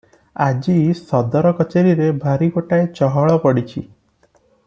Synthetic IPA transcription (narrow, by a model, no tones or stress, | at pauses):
ad͡ʒisɔd̪ɔɾɔkɔt͡ʃeɾiɾebʱaɾikoʈaet͡ʃɔɦɔɭɔpɔɽit͡ʃʰi